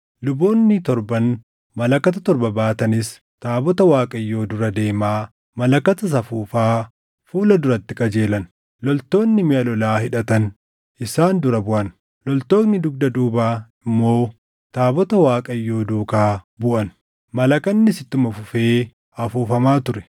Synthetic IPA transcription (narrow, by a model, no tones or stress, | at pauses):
lʊbo̞ːnːɪt̪ɔɾbɐn | mɐlɐkːɐt̪ɐt̪ɔɾbɐbaːt̪ɐnɪs | t̪aːbɔt̪ɐwaːkʼɐjːo̞ːd̪ʊɾɐd̪e̞ːmaː | mɐlɐkːɐt̪ɐs̬ɐfuːfaː | fuːlɐd̪ʊɾɐt̪ːɪkʼɐd͡ʒe̞ːlɐn | lɔlt̪o̞ːnːɪmɪʔɐlɔlaːhɪᶑɐt̪ɐn | ʔɪsaːnd̪ʊɾɐbʊʔɐn | lɔlt̪o̞ːknɪd̪ʊɡ̚d̪ɐd̪uːbaːɪmːo̞ː | t̪aːbɔt̪ɐwaːkʼɐjːo̞ːd̪uːkaːbʊʔɐn | mɐlɐkɐnːɪsɪt̪ːʊmɐfʊfe̞ː | ɐfuːfɐmaːt̪ʊɾɛ̥